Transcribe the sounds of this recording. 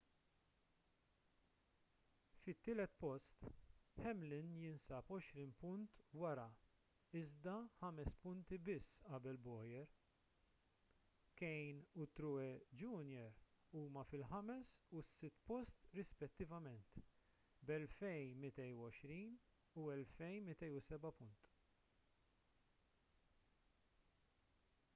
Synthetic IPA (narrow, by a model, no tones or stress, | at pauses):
fɪt̪ːɪːlɛt̪pɔst̪ħɛmlɪnjɪnsɐːpɔʃɾiːnpʊnt̪wɐɾɐ | ɪzd̪ɐħɐmɛspʊnt̪ibɪsːɐbɛlbɔːjɛɾ | kɛjnʊt̪ːɾʊɛd͡ʒunjɛɾ | uːmɐfɪlħɐmɛsusːɪt̪ːpɔst̪ɾɪspɛt̪ːɪvɐmɛnt̪ | bɛlfɛjmɪt̪ɛjuɔʃɾiːn | uɛlfɛjmɪt̪ɛjusɛbɐpʊnt̪